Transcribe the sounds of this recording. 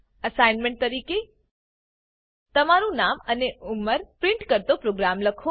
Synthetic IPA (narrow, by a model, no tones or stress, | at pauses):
əsajnmẽɳʈ̚t̪əɾike | t̪əmaɾũnaməneʔuməɾpɾɪ̃ɳʈkəɾt̪opɾoɡɾamləkʰõ